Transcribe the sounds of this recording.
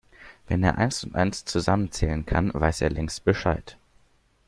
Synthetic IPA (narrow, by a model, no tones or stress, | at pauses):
v̥ɛneːɐʔaɪnsʊntʔa̰ɪnst͡suzamənt͡sɛːlənkʰanvaɪseːɐlɛŋstb̥əʃaɪt